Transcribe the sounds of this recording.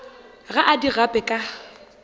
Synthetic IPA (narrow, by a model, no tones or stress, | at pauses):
ɣaʔadiɣapʼɛkʼa